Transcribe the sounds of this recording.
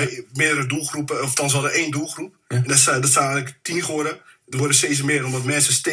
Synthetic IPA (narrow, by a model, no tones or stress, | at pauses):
mɪdəɾədulˠxrupəɔftɔns̬ɦɔdəʔeːndulˠxrup̚ndsdɔstaːnɛɣləktinχoɾədərʋʊrdəseːs̬əmɪədəɔmdɔtmɛnsəste